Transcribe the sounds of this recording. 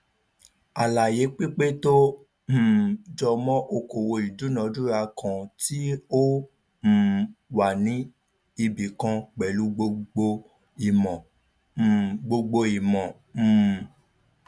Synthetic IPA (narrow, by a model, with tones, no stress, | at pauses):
a˨la˨je˨˦k͡pi˦k͡pe˦to˦ | m̩˨d͡ʒɔ˧mɔ̃˦ʔo˧ko˨wo˧i˨du˨˦nɔ̃˨˦du˦ɾa˧kã˧ti˦o˦ | m̩˨wa˨nĩ˨˦ | i˧bi˨kã˧k͡pɛ˨lu˨˦ɡ͡bo˧ɡ͡bo˧ | i˨mɔ̃˨ | ɡ͡bo˧ɡ͡bo˧i˨mɔ̃˨